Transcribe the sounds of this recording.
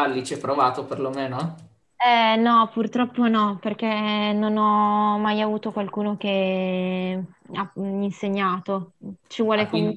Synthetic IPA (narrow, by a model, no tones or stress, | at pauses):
alːit͡ʃɛpːɾovaːt̪operlomeːnoɛ | ɛnɔpurt̪ɾɔpːonɔperk̟enonɔmajavuːt̪okwalkuːnok̟e | ainseɲːaːt̪ot͡ʃivwɔːleko